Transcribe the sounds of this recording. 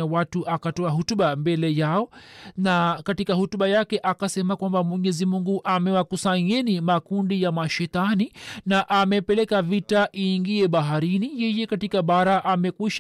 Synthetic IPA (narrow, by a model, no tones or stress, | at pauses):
awatuʔakatɔaɦutuɓambɛlɛjaɔnakatikahutuɓajakɛʔakasɛmakwambamwɛɲɛzimuŋɡuʔamɛwakusaɲɛnimakundijamaʃɛtaninaʔamɛpɛlɛkavitaʔiːŋɡiɛɓaɦaɾinijɛjɛkatikaɓaɾaʔamɛkwiʃ